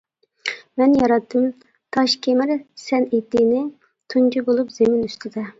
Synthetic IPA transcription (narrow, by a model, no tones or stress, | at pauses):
mɛnjɑɾɑt̪ʰːɨm | t̪ʰɑʃkʲʰemɪɾsɛnet̪ːɪnɪ | t̪ʰunt͡ʃʰibolˠupz̥emɪnyst̪ʰɪd̪ɪ